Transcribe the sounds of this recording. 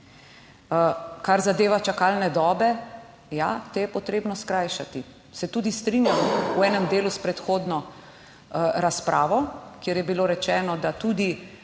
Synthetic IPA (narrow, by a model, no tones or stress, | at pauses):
kaɾzad̪eːʋat͡ʃakaːlnɛd̪ɔːbɛ | jat̪ɛjɛpɔt̪ɾeːbnɔskɾajʃat̪i | sɛt̪uːd̪ist̪ɾinjamuɛːnɛmd̪eːluspɾɛt̪xoːd̪nɔ | ɾaspɾʔaːʋɔkjeːɾjɛbiloːɾɛt͡ʃɛːnɔd̪at̪uːd̪i